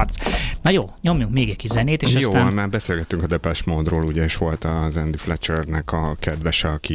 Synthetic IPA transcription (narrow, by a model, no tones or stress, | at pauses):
t̪snɒjoːɲo̞mjuŋkmeːɡɛcʲkːiʃzɛneːt̪eːʃsoːɔnmaːrbɛseːlɡɛt̪ːyŋkɒd̪ɛpɛʃmoːd̪roːluɟɛeʃʋo̞lt̪ɒzɛnd̪iflɛt͡ʃɛrnɛkɒkɛd̪ʋɛʃɛɒki